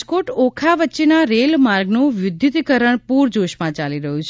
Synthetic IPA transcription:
d͡ʒkoʈokʰaʋətːt͡ʃenaɾelmaɾɡnũʋjʊd̪jut̪kəɾəɳ̃puɾd͡ʒoʃmãt͡ʃaliɾəɦũt͡ʃʰ

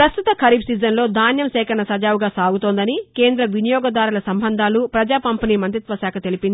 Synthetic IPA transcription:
pɾɐst̪ut̪ɐkʰɐɾiːbsiːzɐnlo̞ːd̪ʱaːnjɐmsɛːkʰɐnɐsɐd͡ʒaːwuɡaːsaːɡut̪oːnd̪ɐnike̞ːnd̪ɾɐʋinijɔːɡɐd̪aːɾulɐsɐmbʱɐnd̪ʱaːlupɾɐd͡ʒaːpɐmpiniːmɐnt̪ɾit̪ʋɐsaːkʰɐt̪e̞lipind̪i

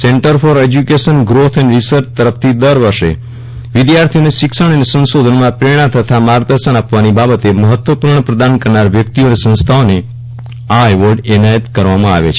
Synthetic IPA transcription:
seɳʈəɾfɔɾed͡ʒjukeʃənɡɾot̪ʰɛneɾisəɾt͡ʃt̪əɾəft̪ʰid̪əɾʋəɾʃḛ | ʋɪd̪jaɾt̪ʰijoneʃɪkʃəɽ̃ənesə̃nsod̪ʱənmãpɾeɽ̃ãt̪ʰət̪ʰamaɾd̪əɾʃənapʋanibabət̪eməɦət̪wʋəpuɾɳəpɾəd̪ankəɾnaɾʋjək̚t̪ionesə̃nst̪ʰaone | aʋəɾɖɛnajət̪kəɾʋamãa̰ʋḛt͡ʃʰe

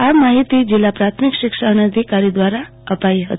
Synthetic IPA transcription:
amaɦit̪id͡ʒɪlːapɾat̪ʰmikʃɪkʃanəd̪ʱikaɾid̪ʋaɾa | əpaiɦə̰t̪

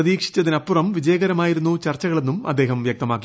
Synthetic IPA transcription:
ɐðiːkʂi̥t͡ɕːɐðinɐpːurɐmʋid͡ʑɐjɐɣɐɾɐmaːjiɾunːut͡ɕɐrt͡ɕːɐɣɐɭe̞nːumɐd̪ːe̞ːɦɐmʋjɐk̚t̪ɐmaːkːi

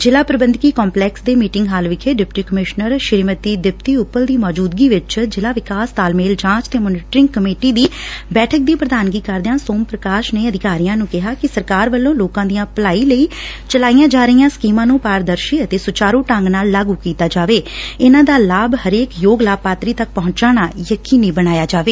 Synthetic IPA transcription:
d͡ʒɪlaːpɾəbənd̪kiːkɔːmplɛːksd̪eːmiːʈɪŋɡɦaːlʋɪkʰeːɖɪpʈiːkəmɪʃnəɾʃɪɾiːmət̪iːd̪ɪpt̪iːʊpːəld̪iːmɔːd͡ʒuːd̪ɡiːʋɪt͡ʃd͡ʒɪlaːʋɪkaːst̪aːlmeːld͡ʒãːt͡ʃt̪eːmoːnɪʈɾɪ̃ŋɡkəmeːʈiːd̪iːbɛːʈʰək̚d̪iːpɾəd̪aːnɡiːkəɾd̪ejãːsoːmpɾəkaːʃneːəd̪ɪkaːɾijãːnũːkɪɦaːkɪsəɾkaːɾʋəlːõːloːkãːd̪ijãːpəlaːiːləiː | t͡ʃəlaːijãːd͡ʒaːɾəijãːskiːmãːnũːpaːɾd̪əɾʃiːət̪eːsʊt͡ʃaːɾõːʈə̃ŋɡnaːlːaːɡuːkiːt̪aːd͡ʒaːʋeːɪnãːd̪aːlaːbhəɾeːkjoːɡlaːb̚paːt̪ɾiːt̪ək̚pɔɦʊ̃ɲt͡ʃaːɽ̃aːjəkiːniːbəɽaːjaːd͡ʒaːʋeː

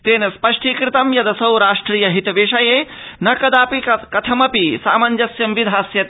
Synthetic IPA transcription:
t̪eːnɐspɐʂʈʰiːkɾɪt̪ɐmjɐd̪ɐsɐwɾaːʂʈɾiːjɐɦit̪ɐʋeʂɐjeː | nɐkɐd̪aːpikɐt̪ʰɐmɐpisaːmɐnd͡ʒɐsjɐmʋid̪ʱaːsjɐt̪

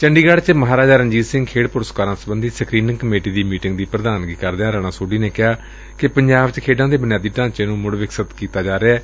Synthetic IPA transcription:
t͡ʃəɳɖiːɡaɽt͡ʃməɦaːɾaːd͡ʒaːɾənd͡ʒiːsɪ̃ŋɡkʰeːɽpʊɾəskaːɾãːsəbənd̪ʱiːsəkɾiːnɪ̃ŋkəmeːʈiːd̪iːmiːʈɪ̃ŋɡd̪iːpɾəd̪aːnɡiːkəɾd̪eːãːɾɛːɽ̃ãːsoːɖiːneːkɪɦaː | kɪpəɲd͡ʒaːʋt͡ʃkʰeːɖãːd̪eːbənjaːd̪iːʈãːɲt͡ʃeːnũːmʊɽʋɪksət̪kiːt̪aːd͡ʒaːɾeɛː

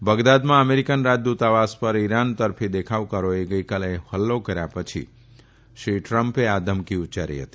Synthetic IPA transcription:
bəɡd̪ad̪mãəmeɾikənɾad͡ʒd̪ut̪aʋaspəɾiɾant̪əɾfʰid̪ekʰaʋkəɾoeɡəjkalehəlːokəɾjapət͡ʃʰḭ | ʃɾiʈɾəmpead̪əmkiut͡ʃaɾḭɦə̰t̪i̥

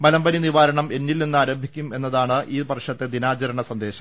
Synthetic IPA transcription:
mɐlɐmbɐniniʋaːɾɐɳɐme̞nːilninːaːɾɐːmbʱikʲːume̞nːɐðaːɳɨʔiːbɐrʂɐt̪ːed̪inaːt͡ɕɐɾɐɳɐsɐnd̪e̞ːɕɐm

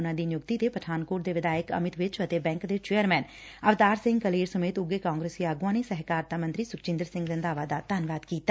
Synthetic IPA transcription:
nãːd̪iːnjʊkt̪iːt̪eːpəʈʰaːnkʊːɾd̪eːʋɪd̪aːjəkə̰mɪt̪ʋɪt͡ʃət̪eːbɛ̃ːŋkd̪eːt͡ʃeːəɾmɛ̃ːn | əʋt̪aːɾsɪ̃ŋɡkəleːɾsəmeːt̪ʊɡeːkaːŋɡɾeːsiːaːɡʊãːneːsɛɦkaːɾt̪aːmənt̪ɾiːsʊkt͡ʃɪ̃nd̪əɾsɪ̃ŋɡɾɪnd̪aːʋaːd̪aːt̪aːnʋaːd̪kiːt̪aː

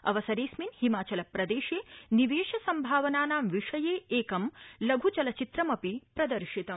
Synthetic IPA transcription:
ɐ̰ʋɐsɐɾeːsminhimaːt͡ʃɐlɐpɾɐd̪eːʃeːniʋeːʃɐsɐmbʱaːʋɐnaːnaːmʋiʂɐjeːeːkɐmlɐɡʱut͡ʃɐlɐt͡ʃit̪ɾɐmɐpipɾɐd̪ɐɾʃit̪ɐm

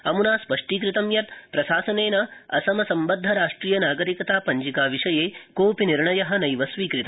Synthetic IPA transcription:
ɐmunaːspɐʂʈiːkɾit̪ɐmjɐt̪pɾɐʃaːsɐneːnɐɐ̰sɐmɐsɐmbɐd̪ʱːɐɾaːʂʈɾiːjɐnaːɡɐɾikɐt̪aːpɐɲd͡ʒikaːʋiʂɐjeːkoːpiniɾɳɐjɐɦɐ̆nɐjʋɐsʋiːkɾit̪ɐ

